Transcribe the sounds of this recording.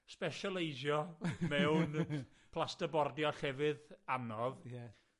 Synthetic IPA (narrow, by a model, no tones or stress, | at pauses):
spɛʃɔlˠejʒjɔmɛwn | pʰlˠastəbɔrdjɔɬɛvɨðanɔvjɛ